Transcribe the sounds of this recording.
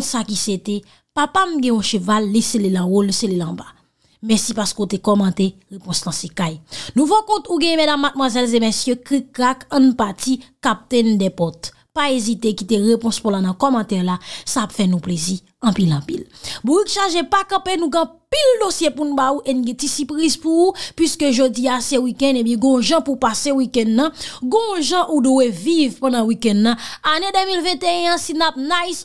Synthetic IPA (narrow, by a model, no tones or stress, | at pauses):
tsakiset̪e | papam̩ɡɛ̃ɔ̃ʃøvalːiselelãwoliselelãba | mɛsipaskeut̪ekɔmɑ̃t̪eʁepɔ̃slãsekajnũvɔkɔ̃t̪uɡɛ̃ɛ̃mɛdamːat̚mwazɛlzemɛsjøkikʁakɐ̃npatikap̚t̪ɛ̃ndɛpɔt̪ | paezit̪ekit̪eʁepɔ̃spɔlanɐ̃kɔmɑ̃t̪ɛlasapfɛnũplezi | ɐ̃pilɑ̃pilbuikʃaʒepakɐ̃penũɡ̃ːpildosjepunũbauʔenũɡɛ̃tisipʁizpuupɥiskøʒod͡ziasɛwikɛ̃ndebjɛ̃ɡɔ̃ʒãpupasewikɛ̃ndːʌ̃ɡɔ̃ʒãʔuduwevivpãdãwikɛ̃ndːɐ̃anedømilvɛ̃t̪eɛ̃ãsinap̚najs